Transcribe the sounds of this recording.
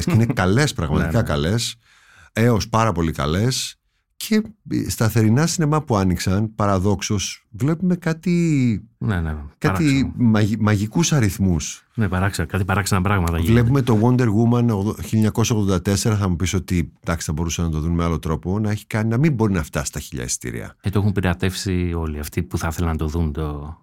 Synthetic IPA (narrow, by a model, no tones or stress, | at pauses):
sceinekɐle̞spɾɐɣmɐ̰t̪kɐkɐle̞s | e̞o̞spɐɾɐpo̞likɐ̰le̞s | cʰe̞st̪ɐθe̞ɾinɐsinemɐpuɐniksɐnpɐɾɐðo̞kso̞svle̞pume̞kɐt̪inenkɐt̪imɐimɐʝikusɐɾiθmusnepɐɾɐksɐkɐt̪ipɐɾɐksɐnɐpɾɐɣmɐt̪ɐvlle̞p̬ume̞t̪o̞wo̞nd̪e̞ɾɣumɐnoɣçiliɲɐko̞sɐo̞ɣðo̞nd̪ɐt̪e̞se̞ɾɐθɐmupiso̞t̪id̪ɐksθɐbo̞ɾusɐnɐt̪o̞ðunme̞alo̞t̪ɾo̞po̞nɐe̞çi̥kɐninɐmimbo̞ɾinɐft̪ɐsi̥t̪ɐçiʎɐ̰ḛst̪ḭɾḭɐ̰et̪oexumpiɾeɐt̪e̞fsio̞liɐft̪ipuθɐθelɐnɐt̪o̞ðunt̪o